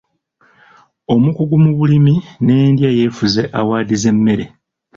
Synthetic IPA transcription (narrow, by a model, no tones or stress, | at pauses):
o̞mukuɡumuβulimine̞ndjaje̞ːfuze̞ʔawaːdize̞mːe̞ɾe̞